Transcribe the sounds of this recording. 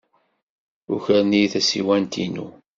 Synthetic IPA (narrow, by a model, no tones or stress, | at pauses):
ʊçəɾnijθæsiwænt̪ḭnṵ